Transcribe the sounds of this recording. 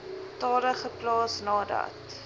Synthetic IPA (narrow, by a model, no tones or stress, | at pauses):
tɑːɾəχəplɑːsnɑːdɐ̰t